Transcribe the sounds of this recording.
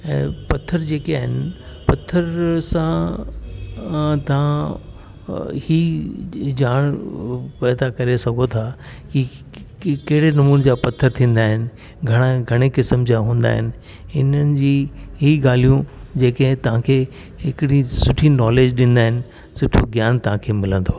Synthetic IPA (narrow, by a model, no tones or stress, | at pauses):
ɛ̰̃ːpɐt̪ʰːəɾd͡ʑeːkiaːɦɪnɪ | pɐt̪ʰːəɾsã | t̪ɐʋ̤ã | hiː | d͡ʑaːɽ̃pɛːd̪akɐɾesɐɡʱot̪ʰa | ki | kɐɦɪɽenɐmuːnd͡ʑaːpɐt̪ʰːəɾt̪ʰĩːn̆d̪aːɦɪnɪ̆ | ɡʱɐɽ̃aɡʱɐɽ̃ekɪsəmd͡ʑaɦũːn̆d̪a̰ːɦɪnɪ̆ | ɪnənɪ̆d͡ʑiːɦiːɡaːl̤ijũd͡ʑeːkəɦɪ̃t̪ɐʋ̤ãkʰeː | ɦɪkɪɽisʊʈʰinɔːleːd͡ʑɗĩn̆d̪aːɦɪnɪ̆ | sʊʈʰoɡjaːnt̪ɐʋ̤ãkʰeːmɪlə̃nd̪oː